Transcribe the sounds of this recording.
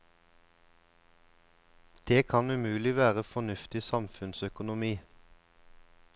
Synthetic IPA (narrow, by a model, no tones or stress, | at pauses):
d̪̥eːkʰɑnʉmʉːlɪʋæːʁəfɔnʉft̪ɪsɑmfʉnsœkʊnʊmiː